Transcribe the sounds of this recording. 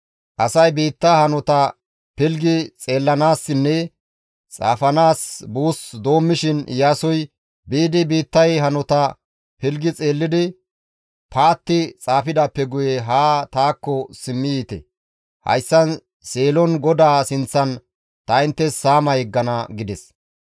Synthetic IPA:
ʔɐsɐjbiːt̪ːahɐnɔt̪ɐ | pɪlɡɪt͡sʼe̞ːlːɐnaːsːɪnːɛ | t͡sʼa̰ːfɐnaːsbuːsd̪o̞ːmːɪʃɪnjaːsɔj | biːd̪ɪbiːt̪ːɐjɦɐnɔt̪ɐ | pɪlɡɪt͡sʼeːlːɪd̪ɪ | pʰaːt̪ːɪt͡sʼaːfɪd̪ɐpːɛɡʊjɛɦaːt̪aːkːɔsɪmːɪjiːt̪ɛ̰ | hɐ̰jsːɐn | seːlɔnɡɔd̪aːsɪnt͡sːɐn | t̪ɐɪnt̪ːɛsːaːmɐjɛɡːɐnɐɡɪd̪ɛs

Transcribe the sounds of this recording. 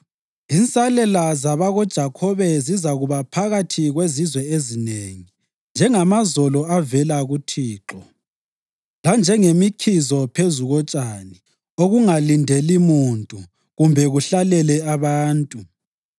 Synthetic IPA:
int͡sʼalɛlazaβaɣɔd̥ʒ̥ʱakʰɔβɛzizaɣuβapʰaɣatʰiɣwezizwɛezineŋi | nd͡ʒʱɛŋamazɔlɔavɛlaɣutʰiːǁɔ | land͡ʒʱɛŋemikʰizɔpʰezuɣɔt͡ʃʼani | oɣuŋalindʱelimuntʼu | ɣumbʱɛɣuɬalɛlɛaβaːntʼu

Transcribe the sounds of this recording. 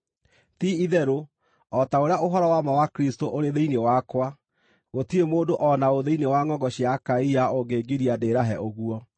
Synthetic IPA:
tiiðɛɾo | ɔtaoɾeaoɦɔɾɔwamawakɾistoʔoɾeðeinewakwa | ɣotiemoːdoʔɔnaoðeinewaŋɔŋɡɔɕijakaiaoɡeːɡiɾiadeɾaɦɛʔoɣuɔ

